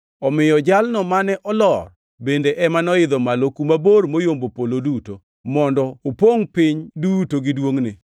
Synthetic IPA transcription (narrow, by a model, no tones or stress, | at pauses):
ɔmɪjɔd͡ʒalnɔmanɛʔɔlɔr | bendeʔɛmanɔɪd̪ɔmalokumabormojombopoloduto | mɔndɔopoŋpɪɲdutoɡɪdwoŋnɪ